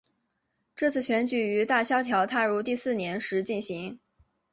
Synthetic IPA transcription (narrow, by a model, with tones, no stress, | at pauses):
ʈ͡ʂɤ˥˧t͡sʰɹ̩˥˩ɕɥɛ˧˥nt͡ɕy˨˩y˧˥t̪a˥˩ɕjɑ˥ʊt̪ʰjɑ˧˥ʊt̪ʰa˥˧ɻu˥˧t̪i˥˧sɹ̩˥˩njɛ˧˥nʂɻ̩˧˥t͡ɕi˥˩nɕi˧˥ŋ